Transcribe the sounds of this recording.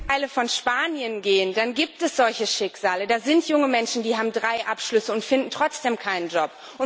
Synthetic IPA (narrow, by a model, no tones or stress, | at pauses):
ʔaləfɔnʃpaːnjənɡeːəndanɡiːp̚tɛsz̥ɔlçəʃɪkz̥aːlədaːzɪntʰjʊŋəmɛnʃn̩diːɦaːbm̩dʁaɪʔapʃlʏsəʊntfɪndn̩tʁ̥ɔt͡sd̥eːmkʰaɪnənd͡ʒɔp̚ | ʔʊ